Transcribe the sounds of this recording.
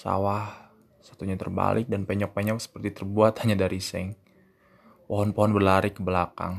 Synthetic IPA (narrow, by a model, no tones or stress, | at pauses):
sa̰wah | sḁt̪uɲat̪ə̰rba̰lɪk̚danpɛɲɔk̚pɛɲɔksə̥pərt̪it̪ərbuat̪haɲadaɾisɛŋ | pɔɦɔnpɔɦɔnbərlaɾikəbəlaka̰ŋ